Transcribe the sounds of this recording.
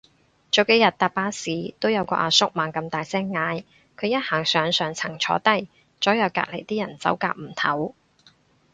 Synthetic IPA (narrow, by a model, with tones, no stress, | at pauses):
t͡so˨˧wke˨˥jɐ˨t̚t̪aː˨p̚paː˧˥siː˨˥t̪o˥wjɐ˨˧wkɔ̰ː˧ʔaː˧sʊ˥k̚maː˨˧ŋkɐ˧mt̪aː˨jsɛː˥ŋːaː˧j | kʰɵ˨˧ɥjɐ˥t̚haː˨˩ŋsœː˨˧ŋsœː˨˧ŋt͡sʰɐ˨˩ŋt͡ʃʰɔ̰ː˨˧t̪ɐ˥j | t͡sɔː˨˥jɐ˨˧wka̰ː˧k̚le˨˩jt̪iː˥jɐ˨˩nt͡sɐ̰˨˥wka̰ː˧k̚m̩˨˩t̪ʰɐ˨˥w